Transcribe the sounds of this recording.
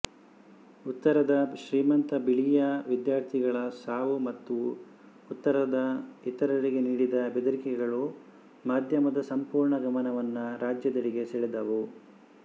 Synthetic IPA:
ut̪ːɐɾɐd̪ɐʃɾiːmɐnt̪ɐbiɭijɐʋid̪jaːɾt̪ʰiɡɐɭɐsaːʋumɐt̪ːuː | t̪ːɐɾɐd̪ɐit̪ɐɾɐɾiɡe̞niːɽid̪ɐbed̪uɾikɛɡɐɭu | maːd̪ʱjɐmɐd̪ɐsɐmpuːɾɳɐɡɐmɐnɐʋɐnːuɾaːd͡ʒjɐd̪ɐɭiɡe̞seːɭed̪ɐʋu

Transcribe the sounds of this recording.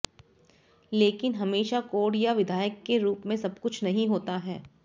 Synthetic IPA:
leːkɪnɦɐmeːʃakoːɽjaʋɪd̪ʱaːjəkːeɾuːpmẽsɐbkʊt͡ʃʰnɐɦĩɦoːt̪aɦɛː

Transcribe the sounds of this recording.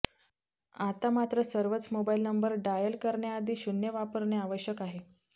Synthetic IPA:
at̪amat̪ɾəsəɾʋət͡smobailnəmbəɾɖajəlkəɾɳjaːd̪ʱiːɕunjəʋapəɾɳeaʋəɕjəkaɦe

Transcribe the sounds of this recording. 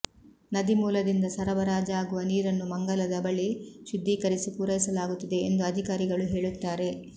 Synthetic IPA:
nɐd̪imuːlɐd̪ind̪ɐsɐɾɐbɐɾaːd͡ʒɐaːɡuʋɐniːɾɐnːumɐŋɡɐlɐd̪ɐbɐɭiʃud̪ʱːikɐɾisipuːɾɐjisɐlaːɡut̪ːid̪e̞end̪uɐd̪ʱikaːɾiɡɐɭuɦe̞ːɭut̪ːaːɾe̞

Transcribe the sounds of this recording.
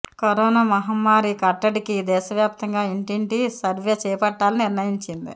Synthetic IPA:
kɐɾoːnaːmɐɦɐmːaːɾikɐʈːɐɽikid̪ɛːʃɐʋjaːp̚t̪ɐŋɡaːiɳʈiɳʈisɐɾʋeːt͡ʃɛːpɐʈːaːliniɾnɐjiɲt͡ʃind̪ḭ

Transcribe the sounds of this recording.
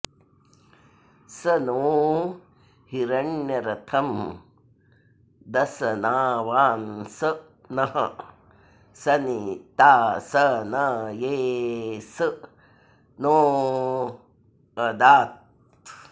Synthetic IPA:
sɐnoː | hiɾɐɳjɐɾɐt̪ʰɐm | d̪ɐsɐnaːʋaːnsɐ | nɐɦɐ̰ | sɐnit̪aːsɐnɐjeːsɨ | noː | ɐd̪aːt̪̚

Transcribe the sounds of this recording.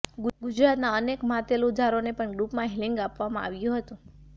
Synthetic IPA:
ɡud͡ʒɾat̪naənekmat̪elud̪ʱaɾonepəɳɡɾupmãɦeliŋɡapʋamãa̰ʋjũɦət̪ũ

